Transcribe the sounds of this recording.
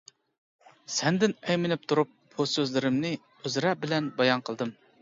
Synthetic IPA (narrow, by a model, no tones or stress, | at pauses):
sɛnd̪ɪnɛjmɪnɪp̚t̪ʰuɾup̚busøzlɪɾɪmnɨ | øzɾɛbɪlɛnbɑjɑnqʰəlˠd̪ɨm